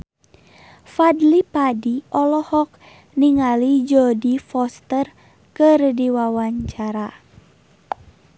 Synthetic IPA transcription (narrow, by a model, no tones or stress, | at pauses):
fadlipadiʔɔlɔhɔk̚ | niŋalid͡ʒɔdifɔst̪ər | kɨrdiwawaɲt͡ʃaɾa